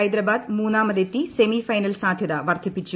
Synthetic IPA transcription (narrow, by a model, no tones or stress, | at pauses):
ɐjd̪ɾɐbaːd̪muːnːaːmɐd̪et̪ːisemifɐjnɐlsaːd̪ʱjɐðɐʋɐrd̪ʰʱipːit͡ɕːu